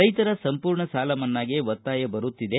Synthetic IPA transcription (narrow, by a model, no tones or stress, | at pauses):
ɐjt̪ɐɾɐsɐmpuːɾɳɐsaːlɐmɐnːaːɡeʋɐt̪ːaːjɐbɐɾutt̪ːid̪e